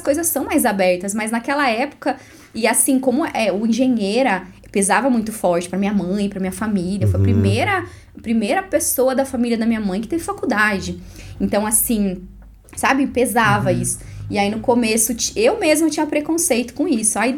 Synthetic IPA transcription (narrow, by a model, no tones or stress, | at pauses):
skojzɐsːɐ̃w̃majzabɛɾt̪ɐsmɐznɐkɛlɐɛpʊ̥kɐ | ɪasĩkõmʊʔɛʊĩʒeɲejɾɐ | pezavɐmũj̃t̪ʊfɔɾt͡ʃɪ̥pɾɐmĩɲɐmɐ̃j̃pɾɐmĩɲɐfamiliɐfojɐpɾimejɾɐ | pɾimejɾɐpesowɐd̪ɐfamiliɐd̪ɐmĩɲɐmɐ̃j̃kɪt̪evɪfakuwd̪ad͡ʒɪ | ẽnt̪ɐ̃w̃asĩ | sabɪpezavɐisʊ̥ɪainʊkomesʊt͡ʃewmezmʊt͡ʃĩɲɐpɾekõsejt̪ʊ̥kõisʊai